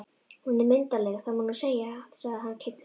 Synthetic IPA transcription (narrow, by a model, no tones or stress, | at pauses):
hunɛɾment̪alɛɣaθaðmɔːnʏseːjaθsaðɦanːkʰet̪